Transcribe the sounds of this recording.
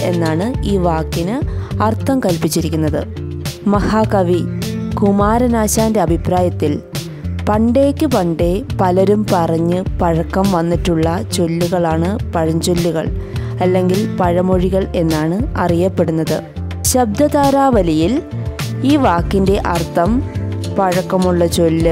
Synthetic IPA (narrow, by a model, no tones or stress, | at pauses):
e̞nːaːɳɨiːʋaːkːinɨɐrt̪ːɐmkɐlpit͡ɕːiɾikʲːunːɐðɨ̰ | mɐhaːkɐʋikumaːɾɐnaːɕaːnde̞ɐbʱipraːjɐt̪ːil | pɐɳɖe̞ːkʲːɨpɐɳɖe̞pɐlɐɾumpɐrɐɲːɨpɐɻɐkːɐmʋɐnːiʈːuɭːɐt͡ɕo̞lːuɣɐɭaːɳɨpɐɻɐɲd͡ʑo̞lːiɣɐ̰ɭ | ɐlːe̞ŋɡilpɐɻɐmoɻiɣɐɭe̞nːaːɳɨɐrijɐpːe̞ɽunːɐðɨ̰ | ɕɐb̚d̪ɐðaːɾaːʋɐlijiliːʋaːkːinde̞ʔɐrt̪ːɐmpɐɻɐkːɐmuɭːɐt͡ɕo̞lːɨ